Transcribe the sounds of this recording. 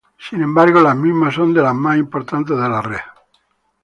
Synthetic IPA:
sinẽmbaɾɣolazmizmasond̪elazmasimpoɾt̪ant̪ezðelare

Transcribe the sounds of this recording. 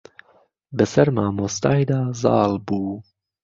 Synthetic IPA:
bəsɐɾmaːmoːst̪aːjd̪aːzɑ̰ːlbuː

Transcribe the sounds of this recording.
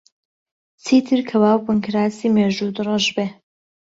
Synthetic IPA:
t͡siːt̪ʰɨɾkʰɐwaːwbɨŋkʰɾaːsiːmeːʒud̪ɨrɑʒbeː

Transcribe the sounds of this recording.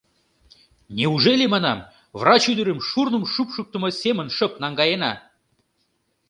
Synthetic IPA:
nʲeuʒelʲemɑnɑm | vrɑt͡ɕyd̪əɾə̆mʃurnə̆mʃupʃuk̚t̪ə̆mŏsʲemənʃəp̚nɑŋɡɑjenɑ

